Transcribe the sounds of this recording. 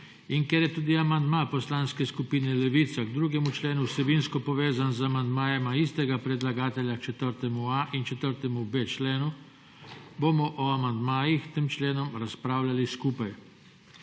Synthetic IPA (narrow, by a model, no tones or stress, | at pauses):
iŋkɛɾjɛt̪uːd̪iamand̪mapɔslaːnskɛskupiːnɛlɛʋit̪saɡd̪ɾuːɡɛmut͡ʃleːnusɛbiːnskɔpɔʋeːzanzamand̪maːjɛmaist̪ɛɡapɾɛd̪laɡaːt̪ɛljakt͡ʃɛt̪əɾt̪ɛmuaʔint͡ʃɛt̪əɾt̪ɛmubet͡ʃleːnu | boːmɔʔɔamand̪maːjixt̪eːmt͡ʃleːnɔmɾaspɾaːwlaliskuːpaj